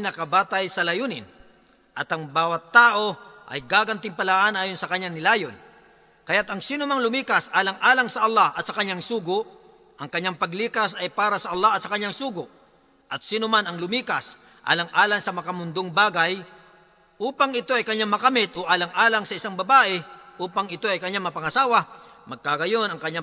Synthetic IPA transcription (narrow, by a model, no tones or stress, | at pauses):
nɐkɐbaːt̪ɐjsɐlɐjuːnɪ̰n | ʔɐt̪ɐŋbaːwɐt̪ːaːʔo̞ʔɐ̰jɡaːɡɐnt̪ɪŋpɐlaʔanʔaːjonsɐkɐɲːaŋnɪlaːjon | kɐjat̪ɐŋsiːnʊmaŋlʊmiːkɐsʔaːlɐŋʔaːlɐŋsɐʔɐlːahʔɐt̪sɐkɐɲːaŋsuːɡʊʔ | ʔɐŋkɐɲːaŋpɐɡliːkɐsɐjpaːɾɐsɐʔɐlːahɐt̪sɐkɐɲːaŋsuːɡʊʔ | ʔɐt̪̚siːnʊmanɐŋlʊmiːkas | ʔa̰ːlɐŋʔaːlaŋsɐmɐkɐmʊnd̪oŋbaːɡaj | ʔuːpaŋɪt̪oʔɐjkɐɲːaŋmɐkɐmɪt̪ʔoʔaːlɐŋʔaːlaŋsɐʔɪsaŋbɐbaːʔɛʔuːpaŋɪt̪o̞ɐjkɐɲaŋmɐpɐŋɐsaːwamɐɡ̚kaɡɐjo̞nɐŋkɐɲːa